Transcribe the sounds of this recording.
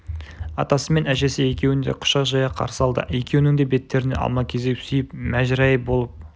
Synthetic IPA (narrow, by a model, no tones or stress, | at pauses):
ɑ̰t̪ɑsəme̞næʒe̞sɪje̞kʲe̞wɪnd̪eqʰʊ̥ʃɑʒɑjɑqʰɑ̰ɾsəɑlˠd̪ə̰je̞kʲe̞wnɪŋd̪e̞be̞t̪ːe̞ɾɪne̞ʔɑ̰lˠmɑkʲʰe̞zesejɪpmæʒɪɾɑjəbo̞lˠəp̚